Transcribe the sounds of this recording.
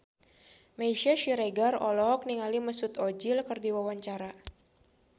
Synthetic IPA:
majʃaʃiɾeɡarɔlɔk̚niŋaliməsut̪od͡ʒilkərdiwawaɲt͡ʃaɾa

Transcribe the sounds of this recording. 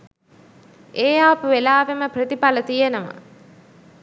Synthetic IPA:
ʔeːjaːpəʋelaːʋeməprət̪ipalət̪ijenəʋa̰

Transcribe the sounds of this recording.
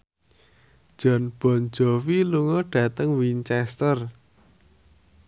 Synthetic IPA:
d̥ʒ̥ɔ̤nb̥ɔ̤n̥d͡ʒ̥ɔ̤wiluŋɔɖ̥ä̤t̪əŋwint͡ʃɛst̪ər

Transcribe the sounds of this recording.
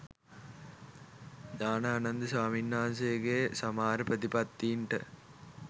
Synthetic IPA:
ɲaːnɐaːnɐnd̪isaːminːaːns̬eɡesɐmaːɾəpɾɐt̪ipɐt̪ːiːɳʈə

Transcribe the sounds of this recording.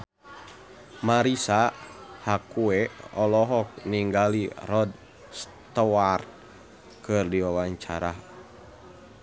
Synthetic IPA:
maɾisahakuɛɔlɔɦɔk̚niŋɡalirɔd̚ | s | t̪ɔwar | kɨrdiwawaɲt͡ʃaɾa

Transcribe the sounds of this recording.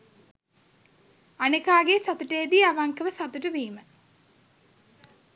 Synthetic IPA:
anekaːɡesat̪uʈəjːd̪iaʋaŋkəʋəsat̪uʈəʋiːmə

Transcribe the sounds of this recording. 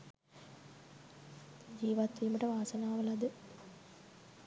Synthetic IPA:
d͡ʑiːʋɐt̪ːijumiʈeʋaːsɐnaːʋɐlɐðɨ

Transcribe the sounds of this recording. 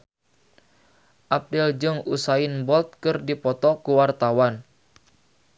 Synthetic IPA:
ʔap̚dɪld͡ʒɨŋusaɪnbɔlt̪̚kɨrdipɔt̪ɔkuwart̪awan

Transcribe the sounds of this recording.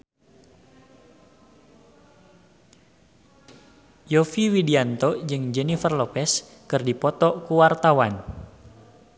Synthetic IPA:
jɔfiwidiant̪ɔd͡ʒɨŋd͡ʒɛnifərlɔpɛs | kɨrdipɔt̪ɔkuwart̪awan

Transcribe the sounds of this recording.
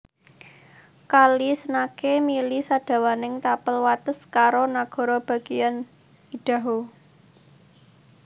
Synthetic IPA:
kalisənakemilisaɖ̥a̤wanɪŋt̪apəlwat̪əskaɾonaɡ̥ɔ̤ɾɔb̥ä̤ɡ̥ijan | iɖ̥ä̤ɦo

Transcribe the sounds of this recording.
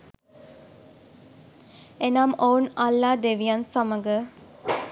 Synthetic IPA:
enaːmownɐlːaːd̪eʋijɐnsaməɡə

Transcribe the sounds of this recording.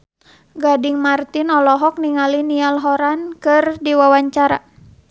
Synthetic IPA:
ɡadiŋmart̪inɔlɔɦɔk̚niŋalinialɦɔɾankɨrdiwawaɲt͡ʃaɾa

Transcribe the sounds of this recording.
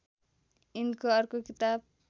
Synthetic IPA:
inkoʌrkokit̪ab̚

